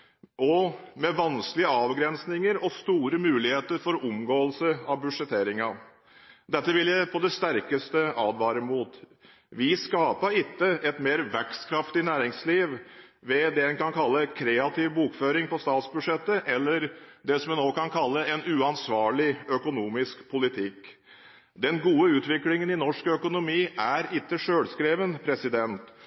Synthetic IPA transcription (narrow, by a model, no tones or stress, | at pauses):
ɔmɛʋɑnsklɪəɑːʋɡɾɛnsnɪŋəɾɔst̪uːɾəmʉːlɪheːt̪əɾfɔɾʊmɡoːəlsəɑʋbʉd̪ʂɛt̪ʰeːɾɪŋɑ | d̪ɛt̪ːəʋɪljæɪpʰɔd̪ɛst̪æɾkəst̪əʔɑːd̪ʋɑːɾəmuːt̪ | ʋɪskɑːpəɾɪt̪ːəʔɛt̪meːɾʋækskʰɾɑft̪ɪnæːɾɪŋsliːʋʋɛd̪ɛhɛnkɑnkʰɑlːəkʰɾeːɑt̪ʰɪʋbuːkføːɾɪŋpɔst̪ɑːt̪sbʉʂɛt̪ːəʔɛlːəɾd̪ɛsɔmɛnoːkɑnkʰɑlːəɛnʉːɑnsʋɑːɭɪœkʊnuːmɪskpʰʊlɪt̪ʰɪkː | d̪ɛnɡuːəʉːt̪ʋɪklɪŋənɪnɔʂkœkʊnʊmiːʔæɾɪt̪ːəʂøːlskɾeːʋənpʰɾɛsɪd̪ɛnt̪